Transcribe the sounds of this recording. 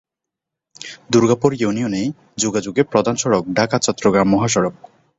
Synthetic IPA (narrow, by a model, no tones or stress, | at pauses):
d̪uɾɡapoɾjunijonej | d͡ʑoɡad͡ʑoɡepɾod̪ʱanʃɔɽok̚ɖʱakat͡ɕɔt̪ːɾoɡɾamːɔɦaʃ̬ɔɽob̚